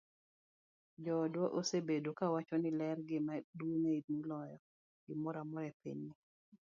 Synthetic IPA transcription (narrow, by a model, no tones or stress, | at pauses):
d͡ʒɔdwɔʔosebedokawat͡ʃɔnɪlɛrɡɪmaduŋeidnilɔjɔ | ɡɪmɔɾamɔɾɛpḭɲnɪ